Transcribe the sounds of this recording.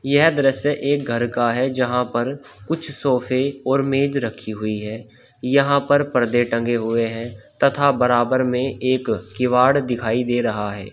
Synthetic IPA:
jɛɦd̪əɾəseʔeːk̚ɡʱəɾkaɦɛd͡ʒɐɦãpɐɾ | kʊt͡ʃʰsɔːfʰeɔːɾmeːd͡ʒɾəkʰːiɦʊiɦɛː | jɐɦãpəɾpəɾd̪eʈə̃ŋɡeɦʊeɦɛ̃t̪ɐt̪ʰabəɾaːbəɾmẽeːkːɪʋaːɽd̪ɪkʰaːid̪eːɾɐɦaɦɛ̰ː

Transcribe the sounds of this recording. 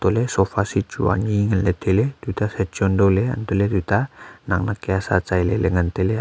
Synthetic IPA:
t̪olesofasit͡ʃṵa̰ɲiŋənlet̪ʰelet̪ut̪asɛt͡ʃɔndolea̰nt̪olet̪ut̪anaŋnakeasat͡ʃajleleŋənt̪ele

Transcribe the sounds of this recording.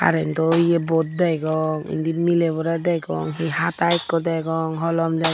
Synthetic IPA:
a̰ɾɛntɔiebɔt̪̚dajɡɔŋḭndimilebɔɾadajɡɔ̰ŋɦihatajkːɔdajɡɔŋɦɔlɔmdaj

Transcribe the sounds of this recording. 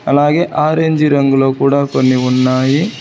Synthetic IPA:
ɐlaːɡeʔaːɾeɲd͡ʒiɾɐŋɡɐloːkuːɽakonːiunːaːɦi

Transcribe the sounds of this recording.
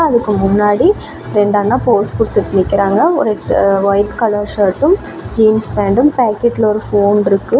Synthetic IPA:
ɐðɯkːɯmʊnːaːɽi | ɾɛɳɖaːnːaːpoːspʊɽt̪ːɯʈːnɪkːɪɾaːŋɡɐɔ̰ɾeʋɐjʈkɐɭɐɾʂɐːʈːɯm | d͡ʒiːnsʋeːɳɖɯmpaːkːeʈːɪlɔɾɯfoːnɪɾɯkːɯ

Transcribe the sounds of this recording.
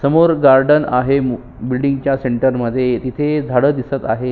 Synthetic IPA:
səmoɾɡaɾɖəna̰ɦem | bilɖiŋɡt͡ɕjaseɳʈəɾməd̪ʱːjet̪it̪ʰed͡zʱaɽəːd̪isət̪aɦe

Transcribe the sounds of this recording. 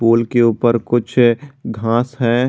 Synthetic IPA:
boːlkeuːpəɾkʊt͡ʃʰɡʱãːsɦɛ

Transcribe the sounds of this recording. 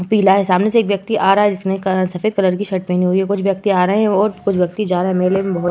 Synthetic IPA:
piːlaɦɛsaːmneseːkʋjɐk̚t̪iʔaːɾaɦɛd͡ʒɪsneksɐfeːd̪̚kɐləɾkiʃɐʈmẽniɦuiɦɛkʊt͡ʃʰʋjɐk̚t̪iaːɾɐɦeɛ̃ɔːɾkʊt͡ʃʰʋjɐk̚t̪id͡ʒaːɾaɦɛmeːlembɐɦ̪

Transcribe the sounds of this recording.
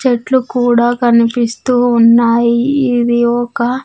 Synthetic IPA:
t͡ʃeʈlukuːɽaːkɐnipist̪uːnːaːjiid̪iɔkɐ

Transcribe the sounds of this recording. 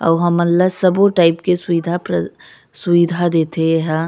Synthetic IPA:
ɔ̰ːɦɐmːət̪ləsɐboʈaːɪpkesʊʋiːd̪ʱapɾ | sʊʋid̪ʱad̪eːt̪eɦɛ̃

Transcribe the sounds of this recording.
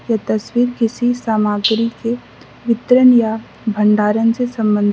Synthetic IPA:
jat̪ɐswiːɾkɪsisaːmaːɡɾike | ʋɪt̪ɾənja | bʱəɳɖaːɾənsesɐ̃mbə̃nd̪ʱ

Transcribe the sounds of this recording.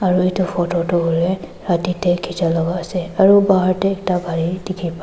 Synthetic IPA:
aɹuetʊpʰɔtɔtɔɦoɹɛ | ɹatitɛkʰitalɔɡaːsɛaɹubaɦaɹtɛːk̚taɡʱaɹidikʰipa

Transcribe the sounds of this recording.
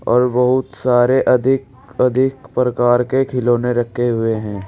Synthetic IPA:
ɔːɾbɐɦʊt̪saːɾeʔɐd̪ʱɪk | ɐd̪ʱɪkpɾɐkaːɾkekʰɪloːneɾɐkʰːeɦʊeɦɛ̃ː

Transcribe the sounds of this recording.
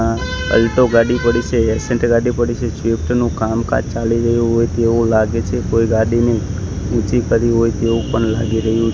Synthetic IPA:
ãə̰lʈoɡaɽipəɽit͡ʃʰeɛsɛ̃ɳʈɡaɖipəɽit͡ʃʰesʋipʈnũkamka̰d͡ʒt͡ʃaliɾəɦjũɦojt̪eʋũlaɡet͡ʃʰekojɡaɽini | ũt͡ʃikəɾiɦojt̪eʋũpəɳla̰ɡiɾəɦjũ

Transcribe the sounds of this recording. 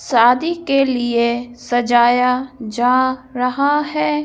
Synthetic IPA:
saːd̪ikeliesɐd͡ʒaːjad͡ʒaːɾɐɦaɦɛː

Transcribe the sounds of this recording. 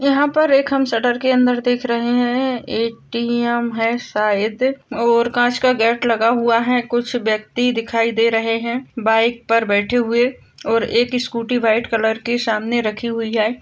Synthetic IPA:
jɐɦãpɐɾeːkɦɐmsɐɖəɾkeɐ̃nd̪əɾd̪eːkʰɾɐɦeɦɛ̃eːʈiɛmɦɛsaːɪd̪ɔːɾkãːt͡ʃkaɡɛːʈʰlɐɡaɦuaɦɛ̃kʊt͡ʃʰʋjɐk̚t̪id̪ɪkʰaːid̪eːɾɐɦeɦɛ̃baːɪk̚pɐɾbɛːʈʰeɦʊe | ɔːɾeːkɪskuːʈibaːɪʈkɐləɾkesaːmneɾɐkʰiɦʊiɦɛː

